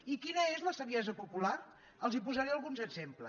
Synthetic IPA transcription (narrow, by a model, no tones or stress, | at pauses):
ikinəezləsəɾjɛzəpupular | əlˠzipuzaɾeəlˠɣunzəɡzemplə